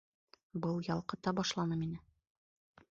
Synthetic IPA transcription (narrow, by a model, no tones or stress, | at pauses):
bɤlˠjɒlˠqɤ̆t̪ɑbɒʃlˠɑnɤminɘ